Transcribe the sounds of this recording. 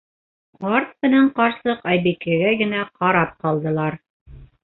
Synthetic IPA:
qɑɾt̪̚mɘ̆næɴqɑɾsɤqɑjbikæɡæɡɘ̆næqɑɾɑp̚qɑlˠd̪ɤ̆lˠɑɾ

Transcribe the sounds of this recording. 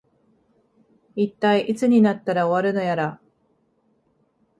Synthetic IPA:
it̪ːaiʔit͡sɨɲ̟inat̪ːaɾao̞βaɾɯ̟no̞jaɾa

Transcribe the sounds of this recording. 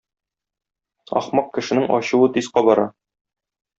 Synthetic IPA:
ɒ̰χmɑq̚kɘ̆ʃɘ̆nɘŋɒ̰ɕŭwɤt̪isqɑbɒɾɑ

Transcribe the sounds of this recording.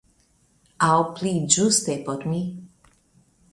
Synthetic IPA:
aɔpliːd͡ʒust̪ɛpɔt̪mi

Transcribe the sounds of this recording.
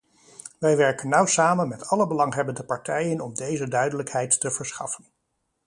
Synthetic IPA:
ʋɛjʋɛɹkənːɑwsaːmənmɛtʰɑləbəlɑŋɦɛbəndəpɑɹtɛjənɔmdejzədœɥdələkɦɛjtːəv̥əɹsχɑ̰fən

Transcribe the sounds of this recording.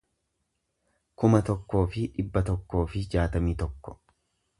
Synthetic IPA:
kʊmɐt̪ɔkːo̞ːfɪᶑɪbːɐt̪ɔkːo̞ːfɪd͡ʒaːt̪ɐmiːt̪ɔkːɔ̥

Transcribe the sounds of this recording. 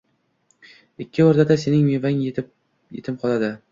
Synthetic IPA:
ɪkʲʰːɪɒɾd̪ad̪ase̞nɪŋmevaŋ | jḛt̪ʰɪmqʰɒlˠad̪ɪ

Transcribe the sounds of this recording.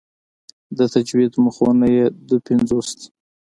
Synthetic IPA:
d̪ət̪ad͡ʒwid̪məxonajed̪əpɪnzost̪

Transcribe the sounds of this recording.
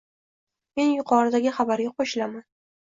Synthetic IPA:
me̞njʊqʰɒɾɪd̪aɡʲɪχabaɾɡʲaqʰoʃɪlaman

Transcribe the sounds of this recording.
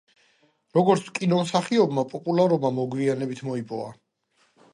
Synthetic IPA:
ɾɔɡɔɾt̪sʰkʼinɔmsaχiɔbmapʼɔpʼulˠaɾɔbmamɔɡwianɛbit̪ʰmɔipʼɔva̰

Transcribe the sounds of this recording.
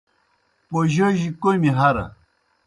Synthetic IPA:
poʑəʑikojmiɦɐɾa̰

